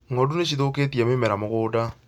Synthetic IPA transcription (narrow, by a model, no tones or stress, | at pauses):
ŋɔduneɕiðoketiamemɛɾamoɣoːda